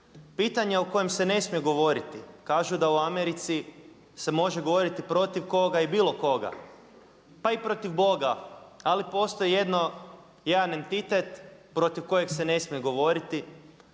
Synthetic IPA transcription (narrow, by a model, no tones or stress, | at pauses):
piːt̪aɲeo̞ko̞je̞mse̞ne̞smije̞ɡo̞ʋo̞ɾit̪ikaːʒud̪auameɾit̪si | se̞mo̞ʒe̞ɡo̞ʋo̞ɾit̪ipɾo̞t̪iʋko̞ɡaibiːlˠo̞ko̞ɡa̰ | paipɾo̞t̪iʋbo̞ɡaalipo̞ːst̪o̞jije̞d̪no̞ | jed̪ane̞nt̪it̪et̪pɾo̞t̪iʋko̞je̞kse̞ne̞smijeɡo̞ʋo̞ɾit̪i